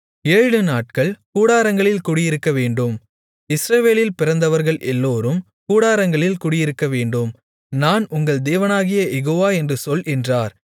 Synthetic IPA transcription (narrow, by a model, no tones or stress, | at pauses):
eːɻɻɯnaːʈ̚kɐɭkuːɽaːɾɐŋɡɐɭɪlkʊːɽɪjɪɾɯkːɐʋeːɳɖɯm | ɪsɾɐʋeːlɪlpɪɾɐnd̪ɐʋɐɾɣɐɭʔɛlːoːɾɯm | kuːɽaːɾɐŋɡɐɭɪlkuːɽɪjɪɾɯkːɐʋeːɳɖɯm | naːnʊŋɡɐɭd̪eːʋɐnaːɣɪjɐjɛɣoːʋaːɛndrɯsɔlʔɪndraːɾ